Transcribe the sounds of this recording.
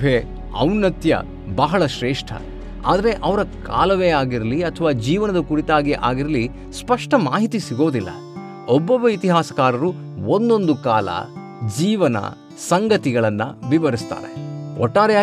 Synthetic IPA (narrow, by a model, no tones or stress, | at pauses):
e | ɐ̰wnːɐt̪jɐ̰ | bɐɦɐɭɐʃɾeːʂʈʰɐ̰ | a̰ːd̪ɐɾe̞ʔɐʋɐɾɐka̰ːlɐʋeːaːɡiɾɐliɐt̪ʰɐʋaːd͡ʒiːʋɐnɐd̪ɐkuɽit̪aːɡiʔaːɡiɾɐli | spɐʂʈɐmaːɦit̪isiɡo̞ːd̪ilːɐ̰ | ɔbːɐbɐit̪iɦaːsɐ̥kaːɾɐɾu | ond̪o̞nd̪uka̰ːlɐ̰ | d͡ʒiːʋɐnɐ̰ | sɐŋɡɐt̪iɡɐɭɐnːɐ̰ʋiʋɐɾist̪a̰ːɾḛɔʈːaːɾɛaː